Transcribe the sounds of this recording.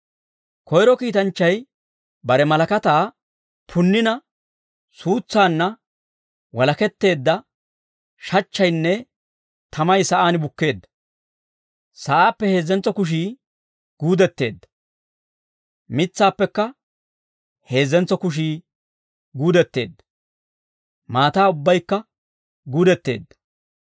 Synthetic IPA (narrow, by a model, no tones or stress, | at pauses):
kʰɔjɾɔkiːt̪ɐnt͡ʃːɐj | bɐɾɛmɐlɐkɐt̪aː | pʰʊnːɪnɐ | suːt͡sːaːnːɐ | wɐlɐkɛt̪ːe̞ːd̪ːɐ | ʃɐt͡ʃːɐjnːɛ | t̪ʰɐmɐjsɐʔaːnɪbʊkːe̞ːd̪ːɐ̥ | sɐʔaːpːɛhe̞ːzːɛnt͡sːɔkʊʃ̬iː | ɡ̥uːd̪ɛt̪ːe̞ːd̪ːɐ | mɪt͡sːaːpːɛkːɐ | he̞ːzːɛnt͡sːɔkʊʃ̬iː | ɡuːd̪ɛt̪ːe̞̰ːd̪ːɐ̥ | maːt̪aːʊbːɐjkːɐ | ɡuːd̪ɛt̪ːe̞̰ːd̪ːɐ̥